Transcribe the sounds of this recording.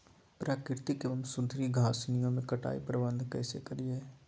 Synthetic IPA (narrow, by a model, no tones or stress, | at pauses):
pɾaːkɪɾt̪ikeʋɐmsʊd̪ʱɾiɡʱaːsnijõmẽkɐʈa̰ːḭpɾɐbə̃nd̪ʱkɛ̰ːsḛkɐɾieː